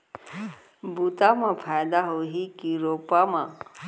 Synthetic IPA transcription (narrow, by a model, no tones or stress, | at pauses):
but̪amãpʰajd̪aɦoɦikiɾopamã